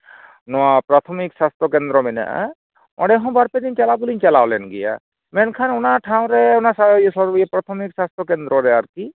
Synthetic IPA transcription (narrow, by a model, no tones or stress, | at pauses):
nɔwapɾat̪ʰɔmiksast̪ʰɔkɛnd̪ɾɔmɛna̰ʔa̰ | ɔ̰̃ɖɛɦɔ̃baɾpɛd̪int͡ʃɛlaɡuliɲt͡ʃɛlawlɛnɡɛja̰ | mɛnkʰanɔnaʈʰaw̃ɾɛɔnasasɔɾbpɾat̪ʰɔmiksast̪ʰɔkɛnd̪ɾɔɾɛaɾt̪i